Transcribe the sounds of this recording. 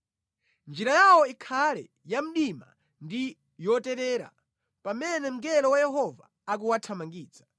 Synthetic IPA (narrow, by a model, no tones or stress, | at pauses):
nd͡ʒiɾajawɔikʰalɛ̰ | jam̩ɗima̰ | ndi | jɔtɛɾɛːɾa̰ | pamɛnɛm̩ɡɛlɔwajɛɦɔva̰ːk̬uwatʰamaŋɡiːd͡za